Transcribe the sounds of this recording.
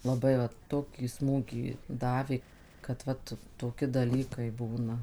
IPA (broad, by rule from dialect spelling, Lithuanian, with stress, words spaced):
lˠɐˈbɐɪ ʋɐt ˈtoːkʲiː ˈsmuːɡʲiː ˈdɑːʋʲeː kɐt ˈʋɐt toːˈkʲɪ dɐˈlʲiːkɐɪ ˈbuːnɐ